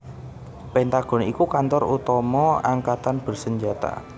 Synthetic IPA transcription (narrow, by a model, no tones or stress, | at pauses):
pɛnt̪aɡ̥ɔ̤nikukant̪ɔrut̪ɔmɔa̰ŋkat̪anb̥ərsəɲd͡ʒat̪a̰